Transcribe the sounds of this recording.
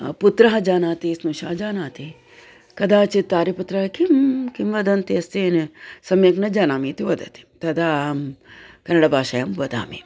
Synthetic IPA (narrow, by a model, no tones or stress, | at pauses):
put̪ɾɐɦɐd͡ʒaːnaːt̪isnuʃaːd͡ʒaːnaːt̪i | kɐd̪aːt͡ʃit̪aːɾiput̪ɾɐɦɐkimkimʋɐd̪ɐnt̪iɐst̪insɐmjɐknɐd͡ʒaːnaːmit̪iʋɐd̪ɐt̪i̥t̪ɐd̪aːmkɐnɐɽɐbaːʃɐjɐmbɐd̪a̰ːmḭ